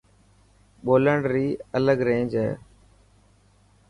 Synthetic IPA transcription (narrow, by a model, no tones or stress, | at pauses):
ɓoːləɳɖɾiːələɡɾẽːɲd͡ʒɦɛ̰ː